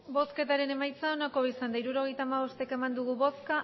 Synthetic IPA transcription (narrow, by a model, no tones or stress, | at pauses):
bo̞ske̞t̪aɾe̞ne̞majt͡sao̞nako̞βeisand̪aiɾuɾo̞ɣ̞e̞jt̪aːmaβo̞st̪eke̞mand̪uɣ̞uβo̞ska